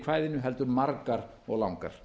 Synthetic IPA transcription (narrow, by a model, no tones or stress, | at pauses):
kʰv̥aːjðɪnʏɦɛlt̪ʏɾmaɾkaɾ | ɔɣlawŋka̰ɾ̥